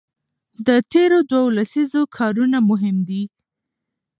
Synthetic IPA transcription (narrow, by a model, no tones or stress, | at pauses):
d̪ət̪eɾod̪waolasizokʰɑɾunamʊɦɪmd̪i